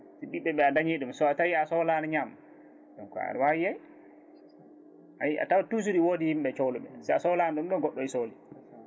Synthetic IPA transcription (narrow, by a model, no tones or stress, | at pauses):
siɓiɓːɛɓɛadaɲiɗumsɔatawiasɔlanaɲam | ɗɔnkɔ̰a̰ɾwawijaj | ʔa̰jiʔa̰tawatus̬uɾiwoːdihimɓɛt͡ʃɔwluɓɛ̰sɛasɔlanaɗumɗɔɡɔɗːɔisoːli